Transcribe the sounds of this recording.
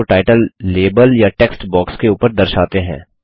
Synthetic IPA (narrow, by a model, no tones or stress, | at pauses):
oʈaːɪʈəlːeːbəljaʈeːksʈbɔːkskeuːpəɾd̪ɐɾʃaːt̪eɦɛ̰̃ː